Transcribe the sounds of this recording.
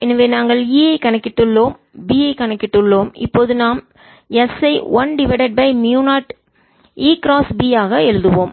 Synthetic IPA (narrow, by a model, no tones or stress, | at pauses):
ɛnːɐʋeːnaːŋɡɐɭiːɐɪkɐnɛkːɪʈːɯɭːoːm | biːɐɪkɐnɛkːɪʈːɯɭːoːmɪ̰pːoːðɯnaːm | ɛsɐɪʋɐnɖɪʋɛɽɐɖ̚bɐɪmjuːnaːʈ | iːkɾaːsbiːaːɣɐɛɻɯðɯʋoːm